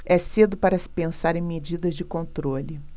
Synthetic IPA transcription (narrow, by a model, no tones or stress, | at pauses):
ɛsed̪ʊpaɾɐsɪ̥pẽsaɾẽj̃med͡ʒid̪ɐzd͡ʒɪkõnt̪ɾolɪ